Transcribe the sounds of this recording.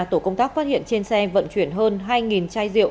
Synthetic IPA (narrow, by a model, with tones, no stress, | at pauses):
t̪o˧˩kə˧wŋ͡mt̪aː˦˥k̚faː˦˥t̚hḭ˧˨ənt͡ɕe˧nsɛ˧və̰˧˨nt͡ɕwi˧˩ənɦəː˧nɦaː˧jŋi˨˩nt͡ɕaː˧jzḭ˧˨ə˨w